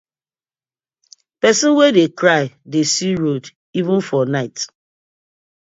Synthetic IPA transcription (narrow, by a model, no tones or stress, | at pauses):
pɛsɔ̃nwɛdekɾaɪdesiɾod | ivə̃n̩fɔnaɪt